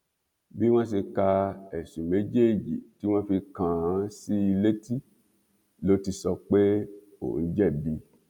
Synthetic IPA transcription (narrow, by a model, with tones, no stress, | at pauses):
bi˦w̃ɔ̃˦ʃ̬e˧ka˧ɛ˨ʃi˨me˨˦d͡ʒe˦˨d͡ʒḭ˨ti˨˦w̃ã˦fi˧kã˨a˨˦si˦i˧le˦ti˦ | lo˨˦ti˧sɔ˧k͡pe˦ | o̰˨n̩˦d͡ʒɛ˦˨bi˧